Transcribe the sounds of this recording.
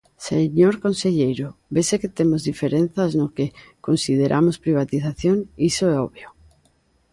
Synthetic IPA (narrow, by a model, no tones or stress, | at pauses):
seɲoɾkonseʎejɾobeseket̪emozðifeɾen̟θaznokekonsið̞eɾʔa̰mospɾiβ̞at̪iθaθjonisoɛoβjo